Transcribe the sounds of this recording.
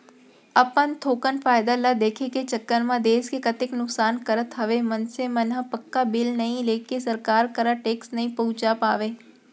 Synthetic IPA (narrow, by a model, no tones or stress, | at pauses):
ɐpənt̪ʰoːkənfaːjd̪alad̪eːkʰeket͡ʃəkːənmãd̪eːskekɐt̪ɪknʊksaːnkɐɾət̪ɦɐʋemɐnsemɐnɦəpəkːabɪlnɐɦĩleːkesɐɾkaːɾkəɾaʈeːksnɐɦĩpɐɦʊ̃t͡ʃapaːʋeː